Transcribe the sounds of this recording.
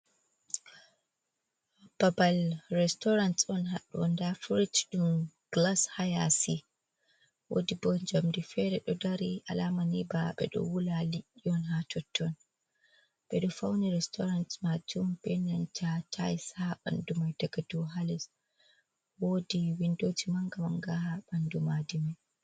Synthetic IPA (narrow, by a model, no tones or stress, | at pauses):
b̥abalrɛstɔɾantɔnɦaɗɔndafuɾitɗumɡ̥lashajasi | wo̰dibɔnd͡ʒamdifɛɾɛɗɔdaɾiʔalamanibaɓɛ̰ɗɔ̰wulaliʔiɔnɦatʰɔtʰːɔn | ɓɛɗɔfawniɾɛstʰɔɾantmad͡ʒumb̥ɛnantʰatʰajsaɓa̰ndumajdaɡadɔɦalɛs | wodiwindod͡ʒimaŋɡamaŋɡahaɓandumadimaj